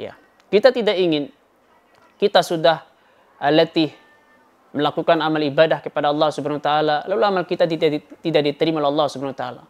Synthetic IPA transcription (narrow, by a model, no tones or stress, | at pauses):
ja̰ | kit̪at̪idaʔiŋɪn | kit̪asudah | alət̪ɪh | məlakukanamalibadahkəpadaɑlˠːɑhsubanawat̪aalalaloamalkit̪ait̪idaʔ̚dit̪əɾimaoleɑlːɑhsubanawat̪aa̰la